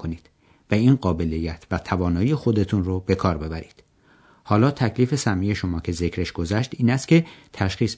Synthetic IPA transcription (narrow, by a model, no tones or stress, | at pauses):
koniːd̪̥ | væiːnɢɒːbe̞lijːæt̪ʰvæt̪ʰævɒːnɒːjijexo̞d̪e̞t̪ʰunrobe̞kʰɒːɾbe̞bæɾiːd̪̥ | hɒːlɒːt̪ʰæcʰliːfe̞sæmːije̞ʃo̞mɒːcʰe̞ze̞cʰɾe̞ʃɡ̥o̞zæʃt̪iːnæst̪̚cʰʲe̞t̪ʰæʃχiːs